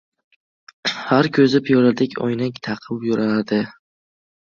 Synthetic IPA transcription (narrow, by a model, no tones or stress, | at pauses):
haɾkʰʲɵzɪpjɒlad̪ɪkʲo̰jnakʲt̪ʰɑqʰɨwjʊɾanad̪ɪ